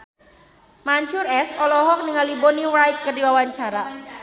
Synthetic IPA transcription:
maɲt͡ʃʊrɛsɔlɔɦɔk̚niŋaliboniwɾajt̪̚kərdiwawaɲt͡ʃaɾa

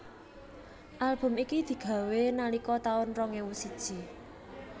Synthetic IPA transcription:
ʔalb̥ʊ̤mikid̪̥i̤ɡ̥ä̤wenalikɔt̪aʊnrɔŋewusid̥ʒ̥i̤

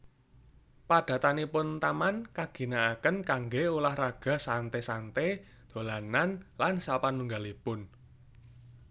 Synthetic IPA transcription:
paɖ̥ä̤t̪anipʊnt̪amankaɡ̥i̤naːkənkaŋɡeulahraɡ̥a̤sant̪esant̪e | d̪̥o̤lananlansapanːuŋɡalipʊn

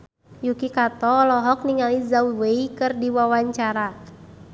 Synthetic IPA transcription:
jukikat̪ɔlɔɦɔk̚niŋalizauweikɨrdiwawaɲt͡ʃaɾa

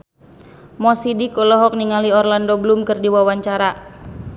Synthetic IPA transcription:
mɔsidikɔlɔɦɔk̚niŋaliɔrlandɔblumkɨrdiwawaɲt͡ʃaɾa

